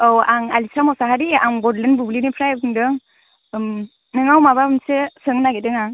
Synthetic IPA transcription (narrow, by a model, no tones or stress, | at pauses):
awaŋa̰lisamɔsaɦaɾiaŋɡɔdlenbublinipʰɾajɯŋdɯŋ | m | nɯŋawmabansesɯŋnaɡedɯŋaŋ